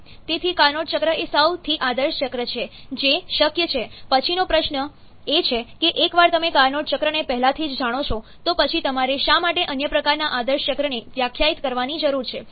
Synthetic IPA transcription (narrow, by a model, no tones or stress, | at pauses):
t̪et̪ʰikaɾnoʈt͡ʃəkɾəesəwt̪ʰiʔad̪əɾʃət͡ʃəkɾət͡ʃʰed͡ʒeʃəkjət͡ʃʰepət͡ʃʰinopɾəʃnə | et͡ʃʰekeʔekʋaɾt̪əmekaɾnoʈt͡ʃəkɾənepɛɦlat̪ʰid͡ʒd͡ʒaɽ̃ot͡ʃʰot̪opət͡ʃʰit̪əmaɾeʃamaʈeʔənjəpɾəkaɾnaʔad̪əɾʃt͡ʃəkɾəneʋjakʰːjait̪kəɾʋanid͡ʒəɾuɾt͡ʃʰe